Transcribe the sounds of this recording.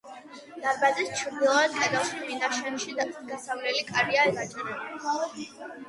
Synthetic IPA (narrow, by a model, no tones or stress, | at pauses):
d̪̥aɾbad̪ɛst͡ʃʰɾd̪ilˠaad̪̚kʼɛd̪alˠst̪ʰminaʃɛnʃid̪at̪ʰɡasavlɛlikʼaɾiaimat͡ʃʼɾɛbi